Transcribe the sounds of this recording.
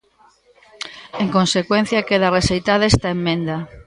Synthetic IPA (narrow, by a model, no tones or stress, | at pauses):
eŋkonsekwen̟θjakeðaresejt̪aðest̪aemːẽnd̪a